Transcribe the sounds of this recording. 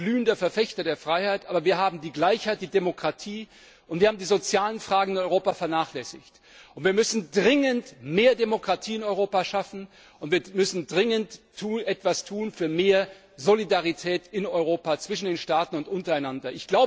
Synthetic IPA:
ɡ̥lyːndɐfɛɐfɛçtɐdeːɐfʁ̥aɪhaɪtʔaːbɐviːɐɦaːbm̩diːɡlaɪçhaɪt̚d̥iːdemokʁ̥atʰiː | ʔʊntv̥iːɐhaːm̩diːzot͡sjaːlənfʁ̥aːɡŋ̩ɪnɔʏʁoːpafɛɐnaːχlɛsɪ̰çt | ʔʊntv̥iːɐmʏsn̩dʁɪŋəntmeːɐdemokʁ̥atʰiːɪnɔʏʁoːpaʃafn̩ | ʔʊntviːɐmʏsn̩dʁɪŋəntʰːuːnʔɛtv̥astʰuːnfyːɐmeːɐ | zolidaʁitʰɛːtɪnɔʏʁoːpat͡sv̥ɪʃn̩deːnʃtaːtn̩ʊntʔʊntɐaɪnandɐʔɪçɡ̥laʊbə

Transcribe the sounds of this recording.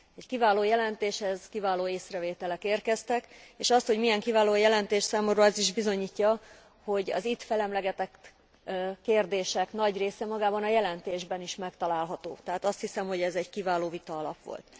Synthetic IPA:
ɛckivaːloːjɛlɛnt̪eːʃhɛzkivaːloːeːsrɛveːt̪ɛlɛkeːrkɛst̪ɛkeːʃɒst̪ho̞ɟmijɛŋkivaːloːjɛlɛnt̪eːʃsaːmomrɒɛziʒbizo̞ɲiːcːɒ | ho̞ɟɒ̰zit̪fɛlɛmlɛɡɛt̪ɛk | kːeːrd̪eːʃɛkn̪ɒɟreːsɛmɒɡaːbɒnɒjɛlɛnt̪eːʒbɛniʃmɛkt̪ɒlaːlɦɒt̪o̰ːt̪ɛɦaːt̪ɒst̪hisɛmho̞ɟɛzɛɟkivaːloːvit̪ɒɒlɒ̰pʋo̰lt̪

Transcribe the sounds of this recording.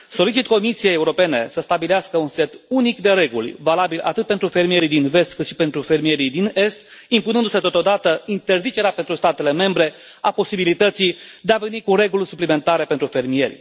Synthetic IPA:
so̞lit͡ʃit̪ko̞misije̞jeuɾo̞pe̞ne̞səst̪abileaskəunse̞t̪unikd̪e̞ɾe̞ɡṵlʲvalabilʔa̰t̪ɨt̪̚pent̪ɾufe̞rmije̞ɾijd̪inve̞st̪kɨt̪ʃi̥pe̞nt̪ɾufe̞rmije̞ɾid̪ine̞st̪ | impunɨnd̪use̞t̪o̞t̪od̪at̪əint̪erzit͡ʃe̞ɾeapent̪ɾust̪at̪e̞le̞me̞mbɾe̞ | apo̞sibilit̪ət̪sid̪eave̞nikure̞ɡulʲsuplime̞nt̪aɾe̞pe̞nt̪ɾufe̞rmije̞̰ɾʲ

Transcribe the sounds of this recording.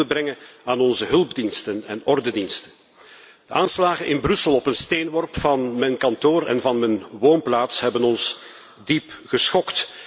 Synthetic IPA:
əbrɛŋəaːnɔnzəɦɵlˠbdinstənɛ̰nɔrdədinstən | d̥əʔaːnslaːɣənʔɪnbrɵsəlˠɔpənsteːnwɔrpfɑnmɛnkɑntoːɾɛ̰nvɑnmɛnwoːnplaːtsɦɛbənɔns | dipɣəsxɔkt

